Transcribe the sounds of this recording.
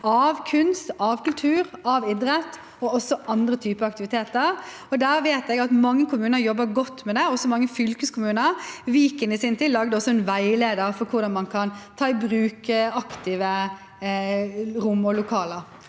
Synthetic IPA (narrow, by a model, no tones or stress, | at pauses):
ɑʋkʰʉnst̪ɑʋkʰʉlt̪ʰʉːɾɑʋɪd̪ɾət̪ː | ɔɔsːɔʔɑnd̪ɾət̪ʰyːpəɑk̚t̪ɪʋɪt̪ʰeːt̪əɾ | ɔd̪æːɾʋeːt̪ɛɡɑt̪mɑŋːəkʰʊmʉːnəɾjɔbːəɾɡɔt̪ːmɛd̪ɛɔsɔmɑŋːəfʏlkəskʰʊmʉːnəɾʋiːkənɪsɪnt̪iːd̪ɑɡd̪əɔsːɔɛnʋæɪleːd̪əɾfɔɾkʰʊɾd̪ɑnmɑnkʰɑnt̪ʰɑːɪbɾʉːkɑkt̪ʰɪːʋə | ɾʊmːɔlʊkʰɑːləɾ